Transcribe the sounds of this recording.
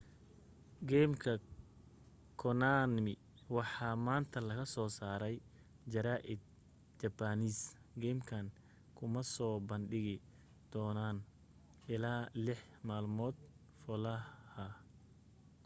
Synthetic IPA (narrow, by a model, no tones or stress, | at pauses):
ɡɛmkʰɐ | kʰɔnanmɪ | wɑħɑːmaːnt̪ʰɐlɐɣɐsɔːsaːɾɛj | d͡ʒɐɾaːʔɪd̪̚ | d͡ʒɐbaːniːs | ɡɛːmkʰɐn | kʰʊmɐsɔːbɐnɖɪɣɪ | d̪̥ɔːnaːn | ʔɪlaːlɪħ | maːlmɔːd̪̥̚ | fɔlɐhɐ